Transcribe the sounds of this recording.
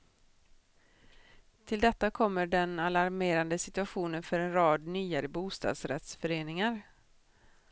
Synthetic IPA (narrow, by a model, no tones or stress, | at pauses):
t̪ʰɪld̪ɛt̪ːakʰɔmːəɖɛnalaɾmeːɾand̪əsɪt̪ɵaɧuːnənfœɾɛnɾɑːd̪nyːaɾəbuːst̪ɑ̰ːd̪sɾɛ̰t̪sfœɾeːnɪŋaɾ